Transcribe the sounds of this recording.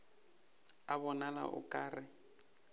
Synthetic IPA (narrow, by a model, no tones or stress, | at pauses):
aβɔnala̰ʔʊ̰kʼaːrɪ